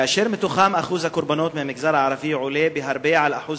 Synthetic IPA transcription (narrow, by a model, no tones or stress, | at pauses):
ʔaʃɪːɾmɪt̪ʊxaːmʔaxuːzakʊɾbanoːt̪mɪnmɪɡzɑːɾˤlʕɑɾˤɑfiːʕʊleːbɪɦɑɾˤbeːʕalʔaħuːz